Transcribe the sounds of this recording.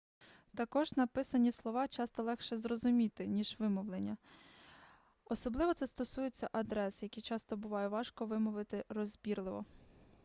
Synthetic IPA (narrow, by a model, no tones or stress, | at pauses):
t̪ɐkɔʒnɐpɪsɐnʲislˠɔʋɑt͡ʃɑst̪ɔlˠɛxʃɛzrɔzʊmʲit̪ɪnʲiʒʋɪmɔwlˠenʲːɐ | ɔsɔblˠɪʋɔt̪sɛst̪ɔsujet͡sʲːɐʔɐd̪ɾɛsjɐkʲijt͡ʃɑst̪ɔbʊʋɑjɛʋɑʃkɔʋɪmɔʋɪt̪ɪrɔzʲbʲirlˠɪʋɔ̰